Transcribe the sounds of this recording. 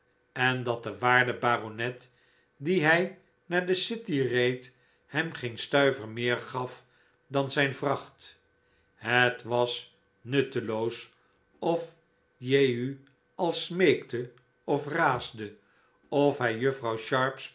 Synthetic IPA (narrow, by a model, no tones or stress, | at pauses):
ɛndɑt̚dəʋaːɹdəbaːronɛt | diɦɛj | naːɹdəsɪtirejt | hɛmχejnstœɥvəɹmɪːɹχɑf | dɑnzɛjnvrɑχt | ɦətʋɑs | nɵtəlows | ɔf | jejy | ɑlˠsmejktə | ɔfraːzdə | ɔfɦɛjjɵfrɑwʃɑɹps